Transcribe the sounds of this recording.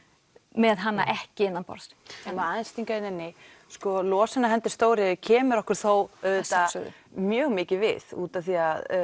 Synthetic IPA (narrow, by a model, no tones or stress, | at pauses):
mɛðɦanːa̰ʔɛhcɪɪnːanpɔ̰ɾst̪ɛmaːðɪnst̪iŋkaɪnɛnːɪ | skɔlɔːsɛnaɦɛnt̪ɪɾ̥st̪oːwɾɪcʰɛːmʏɾɔhkʏɾ̥θowœðɛt̪a̰ | mjœːɣmɪːcɪvɪ̰ð̥ṵːt̪aθiað